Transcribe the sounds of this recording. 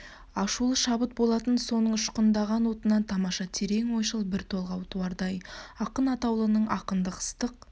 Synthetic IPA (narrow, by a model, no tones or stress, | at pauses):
ɑʃulˠəʃɑbət̪̚bo̞lˠɑt̪ənso̞nəɴʃqənd̪ɑʁɑnwo̞t̪ənɑnt̪ʰɑmɑʃɑt̪ʰeɾe̞ŋwo̞jʃəlˠbɪɾt̪ʰo̞lˠʁɑwt̪ʰuwɑɾd̪ɑjɑqənɑt̪ɑwlˠənəɴʔɑqənd̪əqʰə̥st̪əq̚